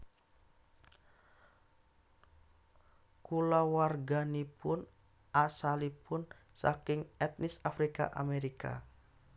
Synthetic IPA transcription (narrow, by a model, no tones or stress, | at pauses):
kulawarɡanipʊn | ʔasalipʊn | sa̰kɪŋɛt̪̚nisafɾika̰ʔa̰meɾika̰